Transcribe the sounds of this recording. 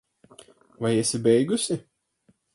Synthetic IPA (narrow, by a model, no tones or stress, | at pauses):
vajɛsʲɪbʲɛjɡusʲɪ